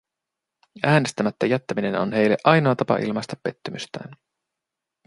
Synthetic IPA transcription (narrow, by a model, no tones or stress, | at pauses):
æːne̞st̪æmæt̪ːæjæt̪ːæmine̞no̰nhe̞jlːeʔɑjno̞ɑt̪ɑpɑ̰ʔḭlmɑst̪ɑpːe̞t̪ːymyst̪æ̰ːn